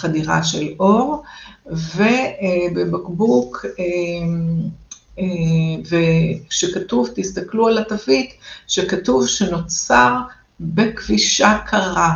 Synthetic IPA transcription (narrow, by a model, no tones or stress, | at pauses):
χadiʁa̰ʃelo̞ʁ | vebebakbukʰe | eveʃekatuvt̪ist̪aklualat̪avitʃekatuvʃeno̞t͡saʁ | bekviʃakʰaʁa